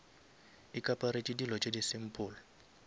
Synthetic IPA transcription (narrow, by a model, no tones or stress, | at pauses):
ikʼapʼaɾit͡ʃʼidilɔt͡ʃʼedisɪm̩pʼʊːlɔ